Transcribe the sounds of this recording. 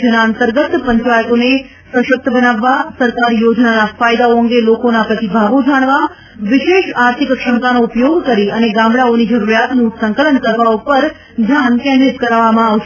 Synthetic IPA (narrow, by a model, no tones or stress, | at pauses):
d͡ʒnaənt̪əɾɡət̪pəɲt͡ʃajək̪one | sə̃ʃək̚t̪ʰəbənaʋːasəɾkaɾijod͡ʒnanafajd̪aoə̃ŋɡelokonapɾət̪ibʱaʋod͡ʒaɽ̃ʋa | ʋɪʃeʃaɾt̪ʰikkʃəmkanoupjoɡkəɾiəneɡãmɭaonid͡ʒəɾuɾjat̪nũsəŋkələnkəɾpaopəɾ | d͡ʒʱjankɛ̃nd̪ɾɪt̪kəɾaʋːamãaʋʃe